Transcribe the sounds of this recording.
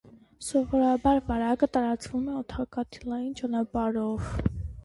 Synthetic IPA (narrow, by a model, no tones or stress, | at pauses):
sɔvɔɾɑbɑɾvɑɾɑkət̪ɑɾɑt͡svumɛɔt̪ʰɑkɑt̪ʰilɑjint͡ʃɑnɑpɑɾɔv